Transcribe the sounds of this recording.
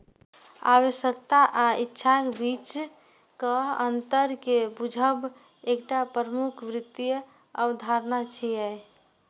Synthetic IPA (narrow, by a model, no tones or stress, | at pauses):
a̰wəʃəkt̪aʔaitːʃʰakbit͡ʃ | kəənt̪əɾkebud͡ʒʱəb | ekʈapɾəmukʰʋɾɪt̪ijə | əwd̪ʱaɾnat͡ʃʰiɛ